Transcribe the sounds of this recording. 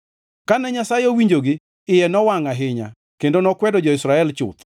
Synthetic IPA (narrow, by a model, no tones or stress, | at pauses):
kanɛɲasajowiɲd͡ʒoɡɪ | ɪjɛnɔwaŋaɦɪɲa̰ | kendonɔkwɛdɔd͡ʒɔɪsɾaɛlt͡ʃʊ̰t̪